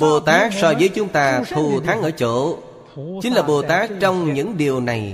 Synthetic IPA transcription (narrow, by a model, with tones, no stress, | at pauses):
ɓo˨˩t̪aː˦˥k̚sɔ˧jvəː˨˦jt͡ɕʊ˨˦ŋ͡mt̪aː˧t̪ʰu˨˩t̪ʰaː˨˦ŋʔəː˧˩t͡ɕo̰˧˥˨ | t͡ɕï˨˦n̟laː˨˩ɓo˨˩t̪aː˦˥k̚t͡ɕɔ˧wŋ͡mɲɨ̰˧˥ŋɗi˨˩əwna˨˩j